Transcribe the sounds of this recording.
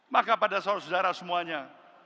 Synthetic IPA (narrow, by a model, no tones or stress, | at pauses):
makapadasaasəd͡ʒaɾasəmuaɲa